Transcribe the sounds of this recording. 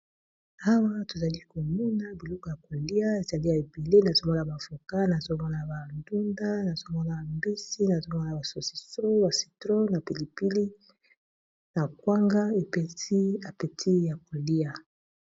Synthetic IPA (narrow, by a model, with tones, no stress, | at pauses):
a˦wa˦to˨za˨li˦ko˨mɔ˦na˦bi˨lo˦ko˨ja˨ko˨li˦a˦e˨za˨li˦a˨e˨be˨le˦na˨zo˦mɔ˦na˨ba˨fo˨ka˦na˨zo˦mɔ˦na˨ba˨ndu˦nda˦na˨zo˦mɔ˦na˨mbi˦si˦na˨zo˦mɔ˦na˨ba˨so˨si̥˨so˦ba˨si̥˨tʁo˦na˨pi˨li˨pi˦li˦ | na˨kwa˦ŋɡa˦e˨pe˨i˦a˨pe˨tʰi˦ja˨ko˨li˦a˨